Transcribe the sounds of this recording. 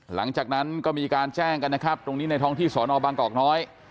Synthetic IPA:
la̰˩˦ŋt͡ɕaː˨˩k̚na˦˥nkɔː˥˩miː˧kaː˧nt͡ɕɛː˥˩ŋka˧nːa˦˥kʰa˦˥p̚t̪ɾo˧ŋniː˦˥na˧jt̪ʰɔː˦˥ŋt̪ʰiː˥˩sɔː˩˦nʔɔː˧baː˧ŋkɔː˨˩k̚nɔː˦˥j

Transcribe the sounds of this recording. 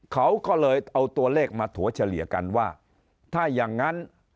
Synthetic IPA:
kʰa˦˥˩wkɔː˥˩lɤː˧jʔa˧wt̪u˧ɐleː˥˩k̚maː˧t̪ʰu˩˦ɐ˦t͡ɕʰa˧li˨˩˦ka̰˧nwaː˥˩ | t̪ʰaː˥˩jaː˨˩ŋːa˦˥n

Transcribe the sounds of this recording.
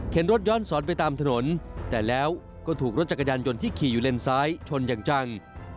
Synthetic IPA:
kʰe˩˦nɾo˦˥t̪̚jɔː˦˥˩nsɔː˩˦˥npa˧jt̪aː˧mt̪ʰa˧no˩˦nt̪ɛː˨˩lɛː˦˥w | kɔː˥˩t̪ʰuː˨˩k̚o˦˥t̪̚t͡ɕa˨˩kːa˧jaː˧njo˧nt̪ʰiː˥˩kʰiː˨˩juː˨˩le˧nsaː˦˥jt͡ɕʰo˧njaː˨˩ŋt͡ɕa˧ŋ

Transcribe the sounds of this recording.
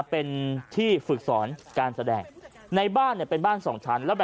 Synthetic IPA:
pe˧nt̪ʰiː˥˩fɯ˨˩k̚sɔː˩˦nkaː˧nsa˧dɛː˧ŋ | na˧jbaː˥˩nːi˥˩ɐpe˧nbaː˥˩nsɔː˩˦ŋt͡ɕʰa˦˥nlɛː˦˥bɛː˨˩

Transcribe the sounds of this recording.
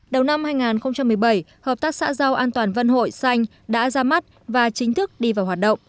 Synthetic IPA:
ɗə˨˩wna˧mhaː˧jŋaː˨˩nxə˧wŋ͡mt͡ɕa˧mːɨ˨˩əjɓə˧˩jhəː˨˩p̚t̪aː˦˥k̚sa̰ː˧˥za˧wʔaː˧nt̪waː˨˩nvə˧nɦo̰˧˨jsa˧jŋ̟ | ɗa̰ː˧˥zaː˧ma˦˥t̚ | vaː˨˩t͡ɕï˨˦ŋ̟t̪ʰɨ˦˥k̚ɗi˧vaː˨˩whwaː˨˩t̚ɗə̰˧˨wŋ͡m

